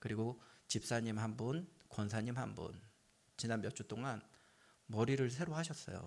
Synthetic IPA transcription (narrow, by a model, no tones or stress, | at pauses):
kɯɾiɡot͡ɕip̚s͈aɲimɦanbunkwʌnsʰaɲimɦanbṵn | t͡ɕinanmjʌt͡ɕ͈ut͈oŋan | mʌɾiɾɯɭs̬ʰe̞ɾohaɕʰʌs͈ʌ̰jo̰